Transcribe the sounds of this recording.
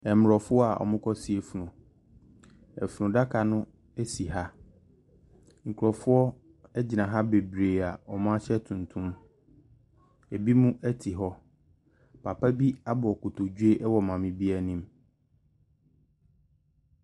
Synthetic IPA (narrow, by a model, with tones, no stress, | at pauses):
ɛ˨m˨ɾɔ˨fʊ˦ɔ˦a˨ʔɔ̰˨mʊ̃˦kʰɔ˦si˦e˨fu˨nʊ̃˨ | ɛ̰˨fu˨nʊ̃˨da˦kʰa˨nʊ̃˦ | e˦si˨ɦa˦ | ŋ̩˨kʰɾɔ˨fʊ˦ɔ˦ | ɛ˦d͡ʑɪ˨nã˨ɦa˦be˨bɾeː˨a˨ɔ˨mã˦a˦ɕɛ˦tʰũ˨ntʰũ˦m | e˨bi˦mũ˦ʔɛ˦tʰi˨ɦɔ˦ | pʰa˨pʰa˦bi˦a˦bʊ˨ɔ˨kʊ˨tʰo˨d͡ʑu˦e˦ʔɛ˦wɔ˨mã˨mɪ̃˨bi˦ɛ˦nĩ˦m